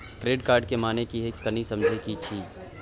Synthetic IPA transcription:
ʈɾeːɖkaːɾɖkemaːnekiekkːɐnisɐ̃md͡ʒʱekit͡ʃʰiː

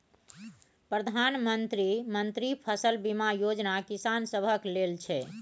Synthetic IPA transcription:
pɾəd̪ʱanmənt̪ɾimənt̪ɾipʰəsəlbimajod͡ʒnakisansəbʱəklelt͡ʃʰɛ

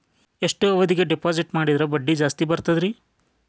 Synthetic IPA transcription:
eʂʈuɐʋɐd̪iɡeɖepaːd͡ʒiʈmaːɽid̪ɐɾɐbɐɖːid͡ʒaːst̪ibɐɾt̪ɐd̪ɾi

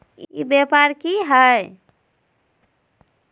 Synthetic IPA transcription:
ḭbepaɾkiɦəj

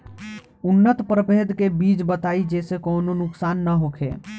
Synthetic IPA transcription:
unːət̪pɾəped̪kebid͡ʒbət̪aid͡ʒesekɔːnonʊksaːnːəɦokʰḛ

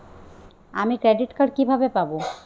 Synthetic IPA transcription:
amikɾeɖiʈkaɽkibʱabepabo

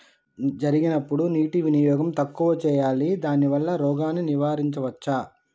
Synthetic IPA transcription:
d͡ʒɐɾiɡinɐpːuɽuniːʈiʋinijɔːɡɐmt̪ɐkːuːʋɐt͡ʃɛːjaːlid̪aːniʋɐlːɐɾɔːɡaːnːiniʋaːɾiɲt͡ʃɐʋɐt͡ʃːaː

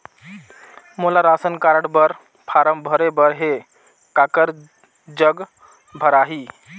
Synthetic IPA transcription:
molaɾasənkaɾəɽbəɾ | pʰaɾəmbʱəɾebəɾɦe | kakəɾ | d͡ʒəɡ | bʱəɾaɦi

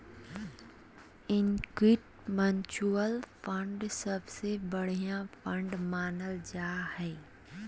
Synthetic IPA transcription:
ɪnkwiʈ | mə̃nt͡ʃuəlfə̃ɳɖsɐbsebəɽ̤ijãfʰə̃ɳɖmaːnəld͡ʒaːhɛː

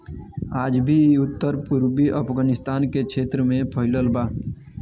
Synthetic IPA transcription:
aːd͡ʒbʱiʊt̪ːəɾpuɾbiʔəpʰɡanɪst̪aːnkekʃʰeːt̪ɾəmẽpʰəɦɪləlbaː

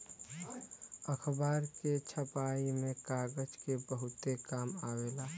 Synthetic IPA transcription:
əkʰbaːɾket͡ʃʰəpaːimẽkaːɡəd͡ʒkebəɦʊt̪ekaːmaːweːlaː

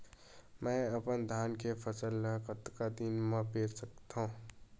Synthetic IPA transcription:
mɛ̃ɐpənd̪ʱaːnkefʰəsəlkət̪kad̪inmãpeːɾsək̚t̪ɦõː

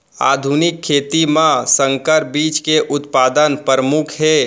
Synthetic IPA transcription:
a̰ːd̪ʱunɪkʰːeːt̪imãsə̃ŋkəɾ̚biːt͡ʃkeʔʊt̪paːd̪ənpəɾəmʊkʰɦeː

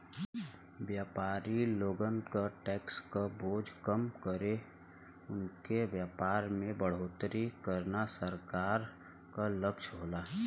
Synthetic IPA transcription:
ʋjaːpaːɾiloːɡənkaʈɛːkskaboːd͡ʒkəmkəɾe | ʊnkeʋjaːpaːɾmẽbəɽ̤oːt̪ɾikəɾnasəɾkaːɾ | kaləkʃɦoːlaː

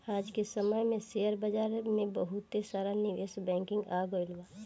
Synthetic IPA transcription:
aːd͡ʒkesəməjmẽsejəɾbəd͡ʒaːɾmẽbəɦʊt̪ːesaːɾanɪʋeːsbɛ̃ːŋkɪ̃ŋɡaːɡoilwaː

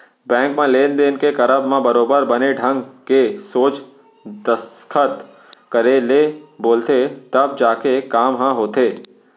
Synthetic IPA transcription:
bɛ̃ːŋkmãleːnd̪eːnkekɐɾəbmãbəɾoːbəɾbəneɖʱə̃ŋɡkesoːt͡ʃ | d̪əskʰət̪ | kəɾeleboːlt̪et̪ɐb̚d͡ʒaːkekaːmɦãɦoːt̪eː

